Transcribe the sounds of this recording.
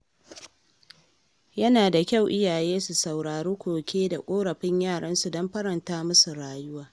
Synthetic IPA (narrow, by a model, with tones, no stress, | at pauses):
jɐ˦naː˨da˨kʲa˦˨wʔɪ˦jaː˨jeː˦su˨sa˨wɽaː˨ɽuː˦kʷoː˨kʲʰeː˦da˨kʷʼoː˦ɽɐ˨ɸɪ˦ɲjaː˦˨ɽɐ˦nsu˨dɔ˦mɸɐ˦ɾɐ˨ntaː˦mʊ˦su˨ɽaː˨jʊ˦waː˨